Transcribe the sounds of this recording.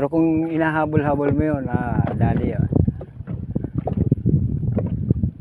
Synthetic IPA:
ɛɾokʊŋinaɦabʊlɦabʊlmijonadalio̰n

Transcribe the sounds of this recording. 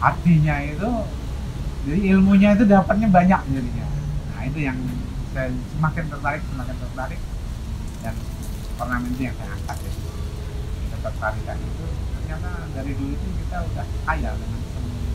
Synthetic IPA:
hatiɲait̪u | d͡ʒadiilmuɲait̪̬udapat̪̚ɲabaɲak̚d͡ʒadiɲanait̪̬ujaŋsajasəmakɪnt̪ərt̪aɾɪk̚səmakɪnt̪ərt̪aɾɪk̚ | dan | parnamɛnt̪ujaŋsajaa̰ŋkat̪̚ɡat̪ | kit̪at̪ərt̪aɾika̰dit̪ukatanadaɾidulut̪ukit̪audahkaja̰dəŋansəm

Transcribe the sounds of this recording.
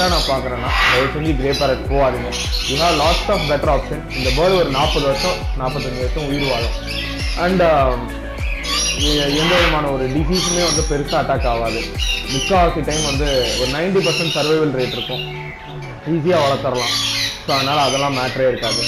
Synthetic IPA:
aːnãːpaːɾkɪɾẽːnaːɪnɐʋɐsɛ̃ɲd͡ʒiɡɾeːpaːɾɐʈpoːaːðɪŋɡɐ | ʋiːɦaːʋlaːʈsaːfbɛʈːɐɾaːpʂɐ̃nɪ̃nd̪ɐbɐːðɔɾɯnaːpːɐðɯʋɐʂɐ̃naːpːɐt̪ːɐɲd͡ʒɪʋɐʂɐ̃ʊjɪɾɯʋaːɣʊ̃ | ʔɐɳɖ | ɛnd̪ɐʋɐðɯmaːnɐɔɾɯɖɪsiːsmeːʋɐnd̪ɯpɛɾɯsaːɐʈːaːkːaːʋaːðɯmɪkːaːsɪʈːɐɪmʋɐnd̪ɯɔɾɯnɐɪɳʈipɐɾsɛɳʈsɐɾʋɐɪʋɐlɾeːʈːɪɾɯkːʊ̃ | iːs̬ijaːʋɐɭɐt̪ːɐɾɐlãːsoːɐðɐnaːlɐːðɛlːãːmaːʈːɾaːɪɾɯkːaːðɯ

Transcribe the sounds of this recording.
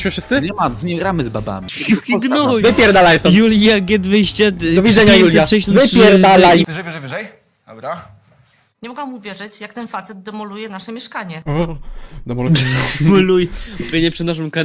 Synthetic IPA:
ɕmɨfʂɘst̪sɨɲɛmazɲɛɡɾamɘzba̰ba̰mʲijuxiɡnɔɾujvɪpʲjɛɾd̪alajsɔjuljaɡʲɛd̪vɘjɕt͡ɕɛd̪ɔvʲiʐɛɲajuljaʂɛjɕnɔvɪjɛɾalajʐɛvʲjɛʐɛvʲeʐɛj̪ | bɾa | ɲɛmɔɡamuvʲjɛʐɛt͡ɕjak̚t̪ɛnfat̪sɛd̪̚d̪ɛmɔlujɛnaʂɛmʲjɛʂkaɲɛ | d̪ɛmɔlud̪ɛmɔlujɛubʲeɲɛpʂɛd̪naʂ̬ɔmkan

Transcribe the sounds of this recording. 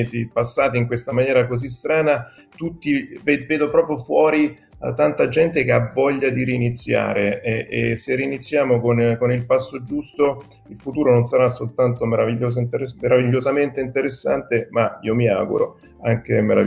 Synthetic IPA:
zipasːaːt̪iŋkwest̪amanjɛːɾakozis̬t̪ɾaːna | t̪ut̪ːiveveːd̪opɾɔːpɾjofwɔːɾi | t̪ant̪ad͡ʒɛnt̪ek̟eavɔʎːad̪iɾiːnit̪sːja̰ːɾeɛḛseriːnit̪sːjaːmokonkonilpasːod͡ʒust̪o | ilfut̪uːɾononsaɾasːolt̪ant̪omeɾaviʎːoːz̬t̪eɾemeɾaviʎːozament̪eint̪eɾesːa̰nt̪emaḭomia̰ːɡṵɾo̰ | aŋk̟emeɾa̰v

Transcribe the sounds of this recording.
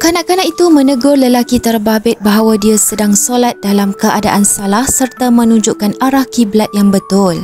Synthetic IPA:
kanãʔkanaʔit̪umə̃nəɡʊrləlakit̪ərbabɪt̪̚baɦawadiasədaŋsolat̪̚dalamkəʔadaʔansalahsərt̪amə̃nuɲd͡ʒuʔkanaɾahkiblat̪̚jaŋbət̪ʊl

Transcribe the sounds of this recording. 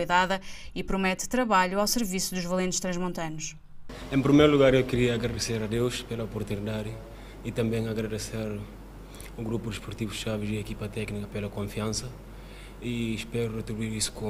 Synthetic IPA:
jðaðɐipɾumɛt̪t̪ɾɐβaʎuawsɨɾvisuðuʒvɐlˠẽnt̪ʃt̪ɾɐ̃ʒmõnt̪ɐnuʃ | ẽmpɾimejɾuluɣaɾewkɨɾiɐːɣɾɐðɨseɾɐd̪ewʃpelɐopuɾt̪unidðaðɪ | it̪ɐ̃mbẽj̃ɐɣɾɐðeseɾ | uɣɾupud̪ɨʃpuɾt̪ivuʃavɪziɐekipɐt̪ɛknikɐpelɐkõfiɐ̃nsɐ | iʃpɛɾurɨt̪ɾiβuiɾisu̥kõ

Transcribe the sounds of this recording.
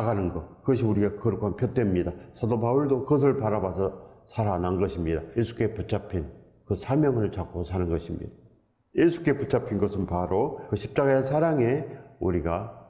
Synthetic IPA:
aɡanɯnɡʌkɯɡʌɕ̬ʰiuɾiɡakɯɾɯkʰoanpʰjot͈wemɲidasʰadobauɭdokɯɡʌs̬ʰɯɭpaɾabasʰʌsʰaɾananɡʌɕʰimɲidaje̞sʰu̥k͈e̞put͡ɕʰapʰin | kɯsʰamjʌŋɯɭt͡ɕak͈osʰanɯnɡʌɕʰimɲḭd̥a | je̞sʰu̥k͈e̞put͡ɕ͈ʰapʰinɡʌsʰɯnpaɾokɯɕʰi̥p̚t͡ɕ͈aɡaesʰaɾaŋe̞uɾiɡa

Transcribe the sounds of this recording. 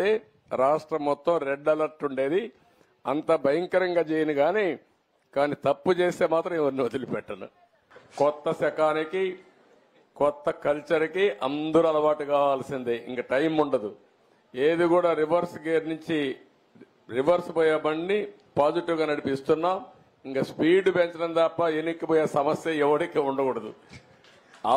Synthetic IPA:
e̞ː | ɾaːʂʈɾɐmːɔt̪ːɐmɾeɖːɐlɐɾʈuɳɖe̞ːd̪i | ɐnt̪ɐbʱɐjɐŋkɐɾɐŋɡaːt͡ʃeːjɐnuɡaːneː | kaːnit̪ɐpːut͡ʃeːse̞ːmaːt̪ɾɐmiʋɐɾnuɐd̪ulipɛʈːɐnṵ | kɔt̪ːɐsɛkaːniki | kɔt̪ːɐkɐlt͡ʃɐɾikiʔɐ̰nd̪uɾuɐlɐʋaːʈukaːʋaːlɐsind̪eːʔḭŋkɐːʈɐjmuɳɖɐd̪u | eːd̪iɡuːɽaːɾiʋɐɾsɡeːɾnuɲt͡ʃi | ɾiʋɐɾspoːjaːbɐɳːi | paːd͡ʒiʈiʋɡaːnɐɽipist̪unːaː | iŋkaːspiːɖpeɲt͡ʃɐɽɐnd̪aːpːɐenikːipoːjeːsɐmɐsjɐɛʋɐɽikeːuɳɖɐkuɽɐd̪ṵ | ɐ

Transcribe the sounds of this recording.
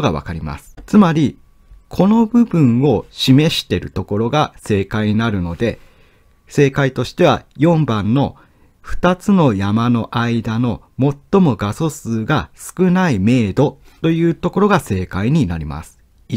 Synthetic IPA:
oɡaβa̰kaɾʲima̰sɨ̥t͡sɨmaɾʲi | kʰo̞no̞bɯ̟bɯ̟̃ɰ̃o̞ɕime̞ɕi̥t̪e̞ɾɯ̟t̪o̞ko̞ɾo̞ɡase̞ːkaiɲ̟inaɾɯ̟no̞d̪e̞ | se̞ːkait̪o̞ɕi̥t̪e̞β̞a̰jõ̞mbãnːo̞ | ɸɯ̟̥t̪at͡sɨno̞jamano̞ʔaid̪ano̞ | mo̞t̪ːo̞mo̞ɡaso̞sɨːɡasɨ̥kɯ̟naime̞ːd̪o̞ | t̪o̞jɯ̟ːt̪o̞ko̞ɾo̞ɡase̞ːkaiɲ̟inaɾʲima̰sɨ̥

